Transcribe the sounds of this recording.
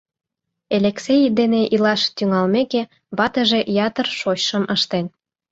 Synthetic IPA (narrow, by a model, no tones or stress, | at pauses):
elʲeksejd̪eneʔilɑʃt̪yŋɑlmeke | βɑt̪əʒejɑt̪ərʃoɕʃəməʃt̪en